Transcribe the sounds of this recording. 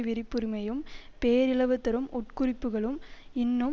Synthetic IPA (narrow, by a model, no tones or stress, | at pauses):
ʋɪɾɪpːɯɾɯmɐjɯmpeːɾɪɭɐʋɯt̪ːɐɾɯmʔɔʈkʊrɪpːɯɣɐɭɯmɪnːɯm